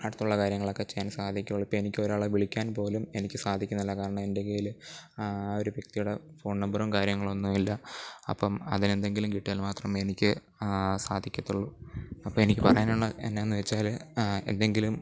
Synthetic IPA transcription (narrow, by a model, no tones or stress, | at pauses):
aɽut̪ːuɭːɐkaːɾjɐŋːɐɭo̞kːe̞t͡ɕejːaːnsaːd̪ʱikʲːuuɭːuipːoenikʲːo̞ɾaːɭeʋiɭikʲːaːnpo̞ːlume̞nikʲːɨsaːd̪ʱikʲːunːilːɐkaːɾɐɳɐmendekejil | o̞ɾuʋjɐk̚t̪ijuɽefo̞ːɳnɐmbɐrumkaːɾjɐŋːɐɭo̞nːuilːɐɐ̰pːɐmɐ̰ðine̞nd̪e̞ŋɡilumkiʈːilmaːt̪rɐme̞nikʲːɨ | saːd̪ʱikʲːɐt̪ːuɭːuɐpːɐmenikʲːɨpɐrɐjaːnuɭːɨḛnːe̞enːɨʋet͡ɕːaːle̞̰nd̪e̞ŋɡilum